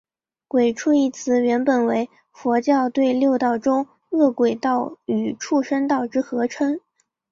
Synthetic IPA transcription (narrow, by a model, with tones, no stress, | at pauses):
kwe˨˩ɪʈ͡ʂʰu˥˧i˥˩t͡sʰɹ̩˧˥ɥɛ˧˥npə˨˩nwe˧˥ɪ | fwɔ˧˥t͡ɕjɑ˥˧ʊt̪we˥˧ɪljo˥˧ʊt̪ɑ˥˩ʊʈ͡ʂʊ˥ŋ | ɤ˥˩kwe˨˩ɪt̪ɑ˥˩ʊy˨˩ʈ͡ʂʰu˥˩ʂə˥nt̪ɑ˥˩ʊʈ͡ʂɻ̩˥xɤ˧˥ʈ͡ʂʰwə˥n